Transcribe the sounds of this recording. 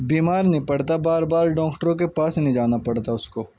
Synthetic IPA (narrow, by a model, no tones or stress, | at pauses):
biːmaːɾnĩpɐɽt̪abaːɾbaːɾɖɔ̃ːkʈəɾõk̬epaːsnĩd͡ʒaːnapɐɽt̪aʊskoː